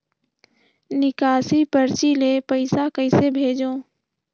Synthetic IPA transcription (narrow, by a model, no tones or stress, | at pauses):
nɪkaːsipəɾt͡ʃilepəɪsakəɪsebʱeːd͡ʒõː